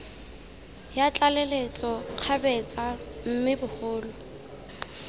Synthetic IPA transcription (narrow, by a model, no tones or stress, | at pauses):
jat͡ɬʼalelet͡sʼɔq͡χʰabɛt͡sʼam̩mɪbʊχʊːlʊ